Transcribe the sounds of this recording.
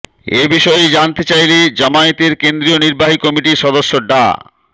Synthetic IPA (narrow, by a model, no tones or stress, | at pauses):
ebiʃɔed͡ʑant̪et͡ɕajled͡ʑamaet̪eɾkend̪ɾioniɾbaɦikɔmiʈiʃɔd̪oʃːoɖa̰